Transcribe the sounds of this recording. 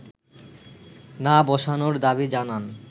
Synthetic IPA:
nabɔʃanoɾd̪abid͡ʑanan

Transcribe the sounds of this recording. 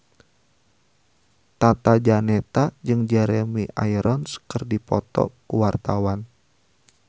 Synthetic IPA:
t̪at̪ad͡ʒanɛt̪ad͡ʒɨŋd͡ʒɛɾɛmiʔa̰jɾʔɔnskərdipɔt̪ɔ̰kuwart̪awan

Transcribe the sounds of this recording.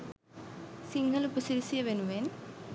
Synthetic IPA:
siŋɡʱɐlupusiɾisijɐʋenuʋeːn

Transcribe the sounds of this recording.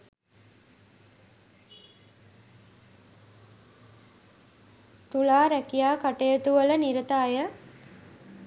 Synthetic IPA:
t̪ulaːɾækijaːkaʈejət̪uʋələniɾət̪aːjə

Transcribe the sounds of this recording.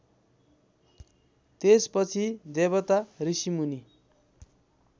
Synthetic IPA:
t̪espʌt͡sʰid̪eβʌt̪arisimuni

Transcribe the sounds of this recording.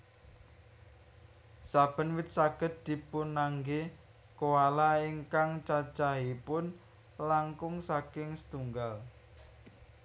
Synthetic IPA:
sab̥ə̤nwɪt̪̚saɡ̥ə̤t̪̚d̪̥i̤punaŋɡe | kowalaiŋkaŋt͡ʃat͡ʃaɦipʊn | laŋkʊŋsakɪŋsə̥t̪uŋɡal

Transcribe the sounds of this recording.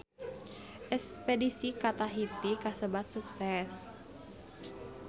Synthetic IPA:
ʔɛspedisikat̪aɦit̪ikasəbat̪̚suksɛs

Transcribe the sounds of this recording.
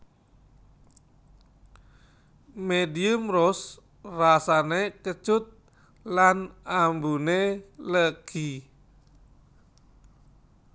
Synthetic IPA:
mediumrɔs | rasanekət͡ʃʊt̪̚ | lanambuneləɡ̥i

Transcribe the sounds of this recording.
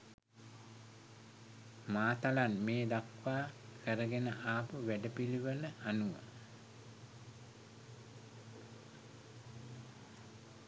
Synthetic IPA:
maːt̪alanmeːd̪akʋaːkʰəɾəɡenəʔaːpəʋæɖəpiliʋələanuʋə̰

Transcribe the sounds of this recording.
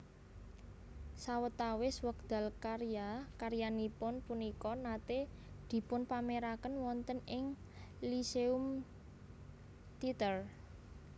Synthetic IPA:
sawət̪awɪswək̚d̪̥a̤lkaɾjakaɾjanipʊnpunikɔnat̪e | d̪̥i̤pʊnpameɾakənwɔnt̪ənɪŋ | liseum | t̪it̪ər

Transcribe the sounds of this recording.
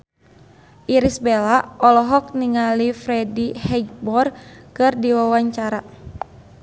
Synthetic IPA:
ʔiɾisbelaʔɔlɔɦɔk̚niŋalifɾɛdihɛd͡ʒbɔrkɨrdiwawaɲt͡ʃaɾa

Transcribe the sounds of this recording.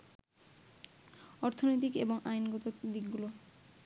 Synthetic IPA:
ɔɾt̪ʰonojt̪̬ikeboŋʔajnɡɔt̪od̪ikɡulo

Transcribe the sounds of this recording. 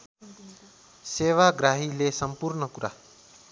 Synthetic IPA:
seːʋaɡɾaːɦilesəmpuɾɳəkuɾʔa̰ː

